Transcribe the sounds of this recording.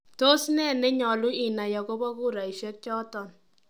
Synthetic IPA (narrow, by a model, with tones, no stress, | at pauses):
to˦snɛ˦˨ne˦ɲɔ˨lu˦i˨na˨jɔ˨ko˦bɔ˦ku˦ɾa˨i˨ʃɛ˦k̚t͡ʃɔ˦tɔ˨n